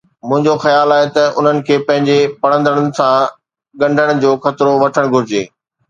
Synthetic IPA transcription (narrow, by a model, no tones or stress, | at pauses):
mʊ̃ɦɪ̃ɲd͡ʑoxɐjaːlaːɦet̪ɐʔʊ̰n̤ənɪ̆kʰeːpɐ̃ɦɪ̃ɲd͡ʑepɐɽə̃nd̪əɽ̃ʊnɪ̆sã | ɠɐ̃ɳɖʱəɽ̃̆d͡ʑoːxɐt̪ɪɾoʋɐʈʰəɽ̃ɡʱʊɾɪd͡ʑeː